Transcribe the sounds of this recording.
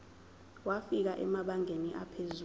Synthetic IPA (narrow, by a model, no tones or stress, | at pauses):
wafik̬aʔɛ̰maɓaŋeniʔapʰezu